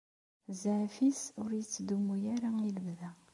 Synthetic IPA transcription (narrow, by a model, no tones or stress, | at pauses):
zaʕfisʊɾjət͡sːd̪umujæɾailəbðæ